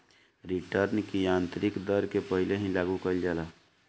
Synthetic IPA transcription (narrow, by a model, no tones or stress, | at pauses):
ɾiʈəɾnkijãːnt̪ɾɪkd̪əɾkepəɦileɦĩlaːɡukəɪld͡ʒaːlaː